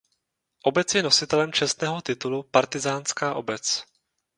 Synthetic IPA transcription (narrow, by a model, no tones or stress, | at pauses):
ʔo̞bɛt͡sjɛno̞sɪt̪ɛlɛmt͡ʃɛst̪nɛːɦo̞t̪ɪt̪ulupaɾt̪ɪzaːnskaːʔo̞bɛt͡s